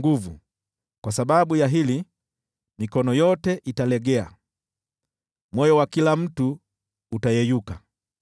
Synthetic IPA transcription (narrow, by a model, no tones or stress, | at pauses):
ɡuvu | kwasaɓaɓujaɦili | mikɔnɔjɔtɛʔitalɛɡɛa̰ | mwɔjɔwakilam̩tuː | tajɛjuka